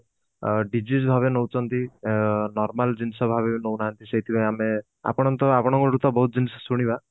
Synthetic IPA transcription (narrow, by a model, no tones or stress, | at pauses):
ɖid͡ʒis̬bʱaβenowt͡ʃʰɔnt̪inɔɾmald͡ʒinisɔbʱabeinownaɦant̪iset̪ʰibaj̃ame | a̰pɔɽ̃ɔnt̪ɔapɔɽ̃ɔŋkɔɾut̪ɔbɔɦut̪̚d͡ʒinisɔ̥suɽ̃iba